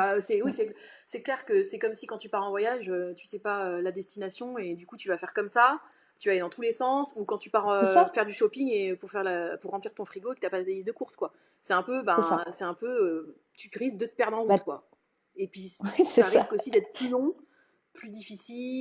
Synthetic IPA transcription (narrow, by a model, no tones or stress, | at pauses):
basɛwisɛ | sɛklɛʁkəsɛkɔmsikɑ̃t̪ypaʁɑ̃vwajaʒøt̪y̥sɛpaølad̪ɛst̪inasjɔ̃ed̪ykut̪yvafɛʁkɔmsa | t̪yvaled̪ɑ̃t̪ulesɑ̃sukɑ̃t̪ypaʁøfɛʁd̪yʃɔpiŋepuʁfɛʁlapuʁːɑ̃pliʁt̪ɔ̃fχiɡoekət̪yapad̪d̪aizd̪əkuʁskwa | sɛt̪ɛ̃pøbɛ̃sɛɛ̃pøø | t̪yʁisk̚d̪ət̪ə̥pɛʁd̪ʁɑ̃ukwa̰ | epɥissaʁiskosid̪ɛt̪χplylɔ̃ | plyd̪ifisil